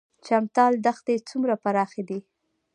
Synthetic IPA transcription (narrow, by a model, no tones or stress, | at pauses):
t͡ʃamt̪ɑld̪axt̪et͡sumɾapaɾɑxed̪i